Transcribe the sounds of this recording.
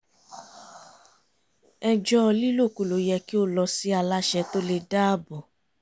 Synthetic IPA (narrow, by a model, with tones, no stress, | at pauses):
ɛ˧d͡ʒɔ˦ɔ˧li˦lo˦˨ku˨lo˨˦jɛ˧ki˦o˦lɔ˧si˦a˧la˦ʃɛ˧to˦le˧da˦˨bɔ˨